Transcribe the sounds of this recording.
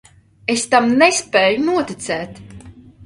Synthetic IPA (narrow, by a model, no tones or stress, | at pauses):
est̪amnɛspɛːjunuɔt̪it̪sɛːt̪